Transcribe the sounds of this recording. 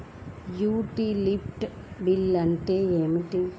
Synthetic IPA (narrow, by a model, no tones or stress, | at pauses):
juːʈilipʈ | bilːɐnʈeemiʈiŋ